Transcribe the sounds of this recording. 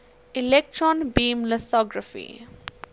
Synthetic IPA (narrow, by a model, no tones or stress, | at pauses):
ɪlek̚ʈɾɔ̃nbĩːmləsɔɡɾəfḭ